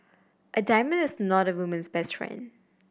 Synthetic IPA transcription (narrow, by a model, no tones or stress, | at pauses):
ʔədaɪmə̃ndɪsnɔɾəwumə̃nsbɛstʰɹḛ̃n